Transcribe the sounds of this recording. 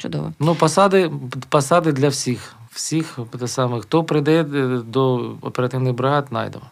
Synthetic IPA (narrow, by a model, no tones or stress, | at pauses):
t͡ʃʊd̪ɔ̰ʋɔnupɐsɑd̪ɪpɐsɑd̪ɪd̪lʲɐwsʲix | w̥sʲixt̪ɛsɑmɛxt̪ɔpɾɪd̪ɛɛd̪ɔɔ̰peɾɐt̪ɪwnɪɣbɾɦat̪nɑ̰jd̪ḛmɔ